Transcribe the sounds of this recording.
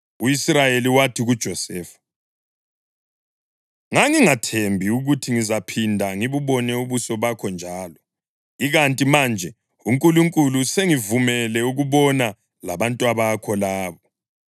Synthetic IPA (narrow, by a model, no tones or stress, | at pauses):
uisrajeliwatʰiɣud̥ʒ̥ʱɔsɛːfḁ | ŋaŋiŋatʰembʱiuɣutʰiŋizapʰindʱaŋiβuβɔnɛuβusɔβakʰɔnd͡ʒʱaːlɔ | iɣantʼimaːnd͡ʒʱɛ | uŋkʼuluŋkʼuluseŋivumɛlɛuɣuβɔna | la̰βantʼuaβakʰɔlaːβɔ